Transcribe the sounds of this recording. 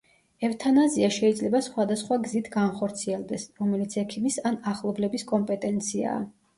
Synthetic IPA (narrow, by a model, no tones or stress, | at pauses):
ɛft̪ʰanaziaʃɛid̪zlɛbasχwad̪asχwaɡzit̪ʰɡanχɔɾt̪sʰiɛld̪ɛsɾɔmɛlit̪sʰɛkʰimisanaχlˠɔblɛbiskʼɔmpʼɛt̪ʼɛnt̪sʰia̰ː